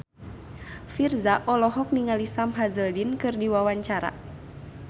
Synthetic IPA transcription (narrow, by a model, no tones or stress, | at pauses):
firzaʔɔlɔɦɔk̚niŋalisamɦazəldinkɨrdiwawaɲt͡ʃaɾa̰